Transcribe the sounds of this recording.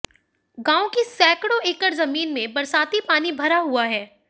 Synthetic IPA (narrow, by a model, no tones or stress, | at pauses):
ɡãːõkisɛːkɽoeːkəɾzɐmiːnmẽbɐɾsaːt̪ipaːnibʱɐɾaɦuaɦɛː